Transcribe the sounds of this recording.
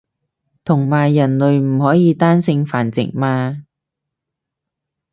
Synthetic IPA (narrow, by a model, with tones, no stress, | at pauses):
t̪ʰʊ˨˩ŋmaː˨˩jːɐ˨˩nlɵ˨ɥm̩˨˩hɔː˨˥jiː˨˧t̪aː˥nsɪ˧ŋfaː˨˩nt͡sɪ̰˨˩ŋmaː˧